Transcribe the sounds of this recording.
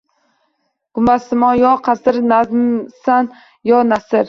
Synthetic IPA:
ɡ̥ʊmasɪmɒjɒqʰasɪɾnasan | jɒnasɪɾ

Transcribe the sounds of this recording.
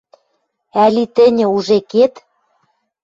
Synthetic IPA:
ælit̪ɘ̆nʲɘ̆uʒeket̪

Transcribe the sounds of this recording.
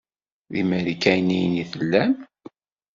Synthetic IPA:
ðimæɾikæjnijəniθəlːæm

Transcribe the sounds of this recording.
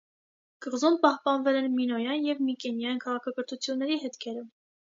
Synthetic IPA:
kəʁzumpɑhpɑnvɛlɛnminɔjɑnjɛvmikɛnjɑjinkʰɑʁɑkʰɑkəɾt̪ʰut͡sʰjunːɛɾiɦɛt̪kʰɛɾə

